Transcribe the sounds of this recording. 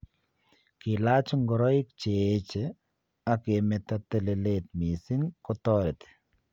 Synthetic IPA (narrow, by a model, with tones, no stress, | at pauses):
kɪ˨la˦t͡ʃɔ˦ŋɡɔ˨ɾɔ˦ɪ˦k̚t͡ʃe˦t͡ʃe˦ | a˦ke˨mɛ˨t̪a˦t̪e˦˨le˨let̪mi˨sɪ˦ŋkɔ˦t̪ɔɾɪ˨t̪e̥˨